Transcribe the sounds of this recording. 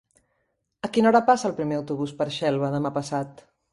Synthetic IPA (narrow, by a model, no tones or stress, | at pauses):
əkinɔɾəpasəlˠpɾimeəwt̪uβ̞uspəɾʃɛlˠβəðəmapəsat̪